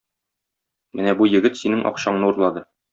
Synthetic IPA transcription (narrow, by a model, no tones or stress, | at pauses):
mɘnæbujɘ̆ɡɘt̪sinɘŋʔɒ̰qɕɑɴnɤuɾlˠɑd̪ɤ